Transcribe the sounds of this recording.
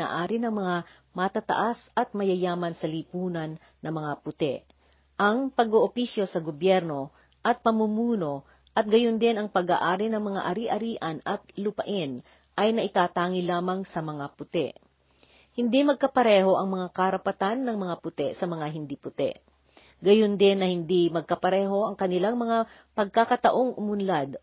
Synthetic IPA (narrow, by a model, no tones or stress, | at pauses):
a̰ːʔaːɾɪnɐŋmɐŋa | mɐt̪at̪ɐ̰ʔasɐt̪̚mɐjɐjaːmɐnsɐlipuːnɐnːɐŋmɐŋapʊt̪ɛ̰ʔ | ʔɐŋpɐɡoːʔopisjo̞sɐɡobjɛɾno̞ | ʔɐt̪̚pɐmumuːno̞ | ʔɐt̪̚ɡɐjond̪ɪnɐŋpɐɡa̰ːʔaːɾɪnɐŋmɐŋa̰ʔɐɾiʔɐɾiːʔɐnɐt̪̚lʊpɐʔɪn | ʔɐjnɐʔɪt̪aːt̪aːŋɪlaːmɐŋsɐmɐŋapʊt̪ɛ̰ʔ | hɪnd̪imɐɡ̚kɐpɐɾɛːɦo̞ʔɐŋmɐŋakɐɾɐpɐt̪anːɐŋmɐŋapʊt̪ɛʔsɐmɐŋaɦɪnd̪ipʊt̪ɛ̰ʔ | ɡɐjond̪ɪnːɐhɪnd̪imɐɡ̚kɐpɐɾɛːɦo̞ʔɐŋkɐnɪlaŋmɐŋa | pɐɡ̚kakɐt̪ɐʔo̞ŋʔʊmʊnlad̪